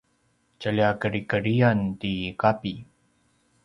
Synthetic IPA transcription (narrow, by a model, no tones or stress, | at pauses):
t͡ɕəliakəɾikəɾiantikapi